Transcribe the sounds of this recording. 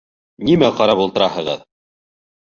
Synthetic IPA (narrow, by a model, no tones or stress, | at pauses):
nimæqɑɾɑpulˠt̪ɤ̆ɾɑhɤ̆ʁɤ̰ð